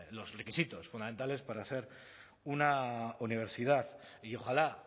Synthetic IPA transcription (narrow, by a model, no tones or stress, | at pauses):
lo̞zre̞kisit̪o̞sfuname̞nt̪ale̞spaɾase̞ɾ | unauniβ̞e̞ɾsiðaðio̞xala